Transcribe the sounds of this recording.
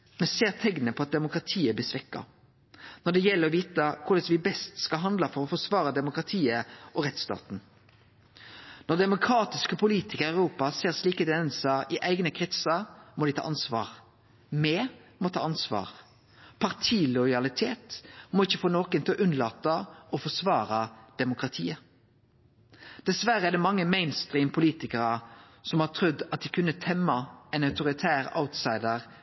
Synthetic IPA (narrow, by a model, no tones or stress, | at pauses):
mɛnseːʁt̪ʰɛŋnnəpʰɔɑt̪̚d̪ɛmʊkʁɑt̪ʰiːəb̪ɪsʋɪkːɑ̰ | nɔd̪ɛjɛlːəɾɔʋiːt̪əkʰʊɾd̪ɛsʋɪbɛst̪skɑɦɑnd̪lɑfɔʁɔfɔsʋɑːʁəd̪ɛmʊkʁɑt̪ʰiːəɔʁɛt̪st̪ɑ̰ːt̪n̩ | nɔd̪ɛmʊkʰɾɑːt̪ɪskəpʰʊliːt̪ɪkəɾæʉɾuːpɑseːʁsliːkəd̪nsɑɪʔæɪɡnəkʰʁɪt̪səmɔd̪ɪt̪ʰɑ̰ːɑnsʋɑ̰ːʁ | mɛmɔt̪ʰɑ̰ːɑnsʋɑ̰ːʁ | pʰɑʁt̪ʰiːlʊʏɑlɪt̪ʰeːt̪mɔɪçːəfoːnoːkənt̪ʰʔʉnlɑːt̪əɔfɔsʋɑːʁɑd̪̥ɛmʊkʁɑt̪ʰiːə | d̪̥ɛsʋæʁəɛd̪ɛmɑŋːəmɛɪnst̪ʁiːmpʰʊliːt̪ɪkəʁə | sɔmhɑt̪ʰɾʉd̪ːɑt̪̚d̪ɪkʰʉnːət̪ʰɛmːɑɛnɑʉt̪ʊʁɪt̪ʰæːʁa̰ʊt̪sɑɪd̪əʁ